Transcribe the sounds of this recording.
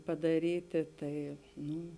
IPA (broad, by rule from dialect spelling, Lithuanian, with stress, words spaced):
pɐdɐˈrʲiːtʲeː ˈtɐɪ ˈnʊ